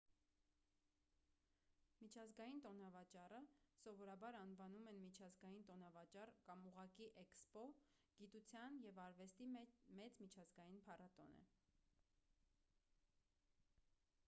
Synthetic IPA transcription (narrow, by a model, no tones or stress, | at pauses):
mit͡ʃʰɑzɡɑjint̪ɔnɑvɑt͡ʃɑrəsɔvɔɾɑbɑɾɑnvɑnumɛnmit͡ʃʰɑzɡɑjint̪ɔnɑvɑt͡ʃɑrkɑmuʁɑkiʔɛkspɔ | ɡ̥it̪ut͡sʰjɑnjɛvɑɾvɛst̪imɛt͡smit͡ʃʰɑzɡɑjinpʰɑrɑt̪ɔ̰nə̰